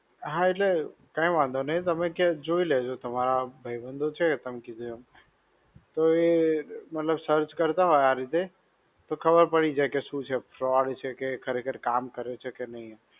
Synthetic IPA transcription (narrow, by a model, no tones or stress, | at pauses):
ɦãeʈlekaĩmãnd̪onəĩt̪əmɛ̃ked͡ʒoilɛd͡ʒot̪əmaɾabʱəibə̃nd̪ʱot͡ʃʰɛt̪əmkid̪oo | t̪ɔemət̪ləbsəɾt͡ʃkəɾt̪aɦɔaɾit̪e | t̪ɔkʰəbəɾpəɽid͡ʒɛkesut͡ʃʰɛpʰɾɔɽt͡ʃʰɛkekʰəɾekʰəɾkaːmkəɾet͡ʃʰɛkenəĩ